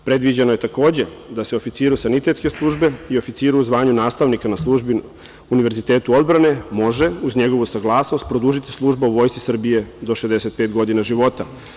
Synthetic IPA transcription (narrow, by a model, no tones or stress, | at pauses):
pɾe̞d̪ʋid͡ʑeno̞je̞t̪ako̞ːd͡ʑe̞ | d̪aseo̞fit̪siːɾusanit̪e̞t̪ske̞slˠuːʒbe̞io̞fit̪siːɾuuzʋaːɲunaːst̪aʋnikanaslˠuʒbi | uniʋe̞ɾzit̪e̞ːt̪uo̞d̪bɾane̞mo̞ʒe̞uzɲe̞ɡo̞ʋusaɡlˠaːsnost̪̚pɾod̪uːʒit̪i̥slˠuʒbauʋo̞ːjsi̥sr̩bije̞d̪o̞ʃezd̪e̞set̪̚peːt̪ɡo̞d̪inaʒiʋo̞t̪a